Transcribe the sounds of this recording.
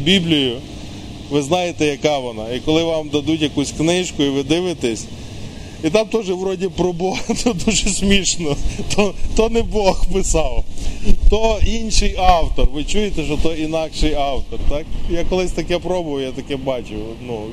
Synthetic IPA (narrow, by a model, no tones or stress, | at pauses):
bʲiblʲijʊ | ʋɪznɑjet̪ɛjɐkɑʋɔnɑikɔlˠɪʋɑmd̪ɐd̪utʲjɐkusʲknɪʃkʊiʋɪd̪ɪʋɪt̪ɛsʲ | it̪ɑmt̪ɔʒɛʋɾɔdʲipɾɔbɔt̪ɔd̪uʒɛsʲmʲiʃnɔt̪ɔt̪ɔnɛbɔxpɪsɑwt̪ɔinʃɪjɑwt̪ɔrʋɪt͡ʃujet̪ɛʃɔt̪ɔinɑkʃɪjɑwt̪ɔrt̪ɑkjakɔlˠɪsʲt̪ɐkɛpɾɔbʊʋɐʊjat̪ɐkɛbɑt͡ʃʊ | nu